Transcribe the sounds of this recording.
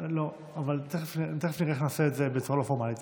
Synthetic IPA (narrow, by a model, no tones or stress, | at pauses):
lo | avalt̪eχeft̪eχefniʁeeχnaseːtzebet͡suʁalofoʁmalit̪